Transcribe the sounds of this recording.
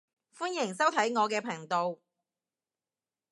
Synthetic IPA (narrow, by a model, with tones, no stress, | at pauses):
fuː˥njɪ˨˩ŋsɐ˥wt̪ʰɐ˨˥jŋɔː˨˧kɛː˧pʰɐ˨˩ŋt̪o˧w